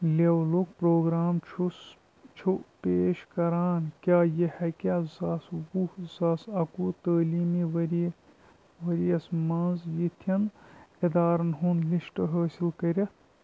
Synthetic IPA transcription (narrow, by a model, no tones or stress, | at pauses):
lewlukpɾoːɡɾaːmt͡ʃʰus | t͡ʃʰupeːʃkɐɾaːnkʲjaːjehɐkʲaːzaːswuhzaːsɐkuːt̪əːliːmiːʋɐɾi | ʋɐɾjɐsmɐnzjit̪ʰɐned̪aːɾɐnɦunliʃʈɐɦəːsilkɐɾʲɐ